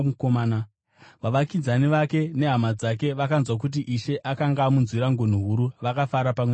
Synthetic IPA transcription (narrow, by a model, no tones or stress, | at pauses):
ukomaːna | ʋaʋakid͡zaniʋake̞ne̞ɦamad͡zak̬e̞ʋakanzwak̬ut̬iʔiʃe̞ʔakaŋɡamunzwiɾaŋɡon̤uɦuɾuʋakafaɾapame